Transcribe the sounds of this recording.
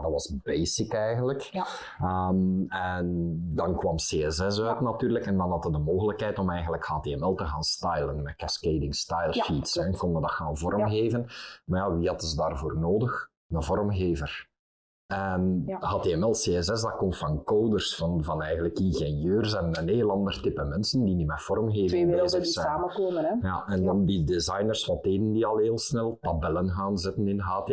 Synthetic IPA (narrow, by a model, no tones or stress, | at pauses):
dɑtʋɑsbeːsɪkɛjɣənlək | əmɛndɑnkwɑmseːɛsɛs̬œɥtnɑtyːrləkɛndɑnɦɑtɦədəmoːɣələkɦɛjtɔmɛjɣənləkhaːteːɛmɛlˠtəɣaːnstɑjlənmɛkɛskeːdɪŋstɑjlˠfitsɛnkɔndədɑxaːnvɔrmɣeːvənmarjaʋiːɦɑdəzədaːrvoːrnoːdəx | nəvɔrmɣeːvər | ɛnhaːteːɛmɛlˠseːɛsɛzdɑkɔmtfɑnkoːdərsfɑnvɑnɛjɣənləkinɣɛnjøːrzɛnəneːlˠɑnd̪ərtɪpəmɛnsəndinimɛfɔrmɣeːvənːzəsɛaːəkoːməjaʔɛndɑndidezɑjnərsfɑteːdəndiɑlˠɦeːlˠsnɛlˠtabɛlənɣaːnzɪtənɪnɦaːte